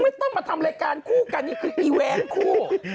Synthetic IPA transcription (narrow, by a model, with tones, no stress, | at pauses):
ma˥˩t̪ɔ˥˩ŋmaː˧t̪ʰa˧mɾaː˧jkaː˧nkʰuː˥˩ka˧nːiː˥˩kʰɯː˧ʔiː˧wɛː˧˥nkʰuː˥˩